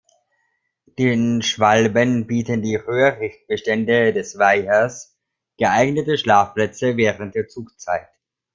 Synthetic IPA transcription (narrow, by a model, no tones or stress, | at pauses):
d̥eːnʃv̥albənbiːtəndiːʁøːʁɪçt̚b̥əʃtɛndədɛsv̥aɪɐs | ɡ̥əʔaɪɡnətəʃlaːfpl̥ɛt͡səvɛːʁənt̚d̥eːɐt͡suːkt͡saɪt